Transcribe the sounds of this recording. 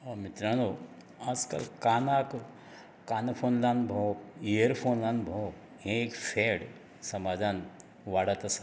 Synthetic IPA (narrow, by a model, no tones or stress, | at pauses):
omit̪ɾaːnoː | aːd͡zkɐ̰lkaːnak | kaːnɐpʰoːnlanbʱooijəɾpʰoːnlaːnbʱɐo | ɦẽekfʰeːɽ | sɐmaːd̪ʱaːn | ʋaːɽɐt̪ɐs